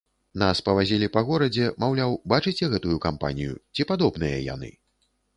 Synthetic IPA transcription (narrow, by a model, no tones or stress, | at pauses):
naspɐvazʲilʲipɐɣɔɾɐd͡zʲɛmawlʲawbat͡ʂɨt͡sʲɛɣɛt̪ujukampa̰nʲijṵt͡sʲipad̪ɔbnɨjɐ̰ja̰nɨ̰